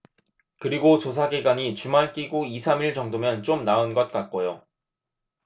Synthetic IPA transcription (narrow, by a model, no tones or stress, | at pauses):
kɯɾiɡot͡ɕos̬ʰaɡiɡwaɲit͡ɕumaɭk͈iɡoisʰamiɭt͡ɕʌŋdomjʌnt͡ɕ͈omnaɯnɡʌt̚k͈at̚k͈ojo